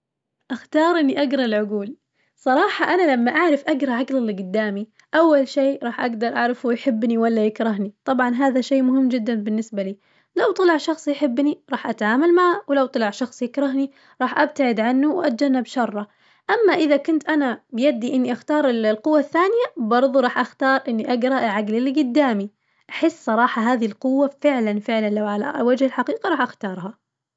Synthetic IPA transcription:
ʔaxt̪ɑːɾˤʔɪnːiʔaɡɾˤɑlʕʊɡuːl | sˤɑɾˤɑːħɑʔanalamːaʔaʕɾɪfʔaɡɾˤɑʕaɡlalːɡʊd̪ːaːmi | ʔawːalʃeːɾˤɑːħʔaɡd̪ɑɾˤʔaʕɾɪfujħɪbːniwalːajɪkɾˤɑɦnit̪ˤɑbʕɑnɦaːðaʃeːmʊɦɪmːd͡ʒɪd̪ːanbɪnːɪsbaliː | lawt̪ˤɑlɪʕʃɑxsˤijħɪbːniɾˤɑːħʔat̪aʕaːmalmaʕawlawt̪ˤɑlɑʕʃɑxsˤjɪkɾˤɑɦni | ɾˤɑːħʔab̚t̪aʕɪd̪ʕanːuwʔat̪̚d͡ʒanːabʃɑrˤːɑ | ʔamːaʔɪðakʊnt̪ʔanabɪjad̪ːiʔɪnːiʔaxt̪ɑːɾˤɪlqʊwːaθːaːnɪjabɑɾˤðˤuɾˤɑːħʔaxt̪ɑːɾˤʔɪnːiʔaɡɾˤɑʔʕaɡlɪlːiɡʊd̪ːaːmi | ʔaħɪsːsˤɑɾˤɑːħɑɦaːðilqʊwːafɪʕlanfɪʕlanlawʕala̰wad͡ʒhɪlħaqiːqiɾˤɑːħʔaxt̪ɑːɾˤɦa

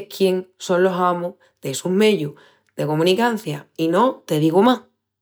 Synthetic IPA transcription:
kʰje̞ŋsõ̞nlo̞samo | ðeesuɦme̞ðju | ðe̞ko̞mũnikan̟θjaino̞t̪e̞ðiɣoma

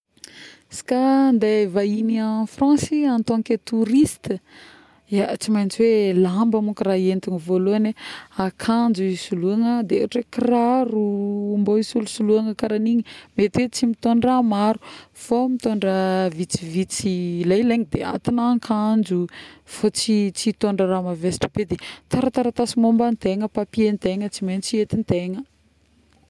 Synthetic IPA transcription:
si̥kand̪evainiafrãnsiant̪oŋket̪uɾist̪ə | at͡simajnt͡siwelambəmukraent̪uŋivoloaneakʰand͡ʒuisuluaŋəd̪eḛaʈ͡ʂekrarumboisulusuluaŋəkaɾaniɲimet̪et͡simit̪oɳramaɾu̥fomit̪oɳɖ͡ʐəvit͡sivit͡silajleŋid̪ea̰t̪inaŋkʰand͡ʒufot͡sit͡sit̪oɳɖ͡ʐəɾamavesi̥ʈ͡ʂə̥b̥ed̪et̪aɾət̪aɾət̪asimombant̪eŋəpapient̪eŋət͡simenit͡siet̪int̪eŋə

